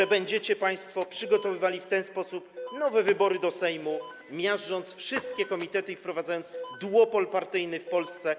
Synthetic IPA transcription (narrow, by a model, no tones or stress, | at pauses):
ɛbɛɲd͡ʑɛt͡ɕɛpaj̃st̪fɔpʂɘɡɔt̪ɔvɘvalʲift̪ɛnspɔsup̚nɔvɛvɘbɔɾɘd̪ɔsɛjmu | mʲjaʐɔnt̪sfʂɘst̪̚kʲɛkɔmʲit̪ɛt̪ɘifpɾɔvad̪zajɔnt̪sd̪wɔpɔlpaɾt̪ɘjnɘfpɔlst̪sɛ